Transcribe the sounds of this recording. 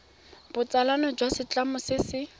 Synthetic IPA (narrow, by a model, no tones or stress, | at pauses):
b̥ʊt͡sʼalanɔd͡ʒwasɪt͡ɬamʊsɪsɪ